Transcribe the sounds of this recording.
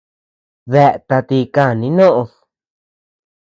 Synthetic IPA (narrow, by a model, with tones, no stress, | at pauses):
ðe˧˨ʔt̪a˧t̪i˧ka˦˨nĩ˧˦nõ˦ʔõ˧s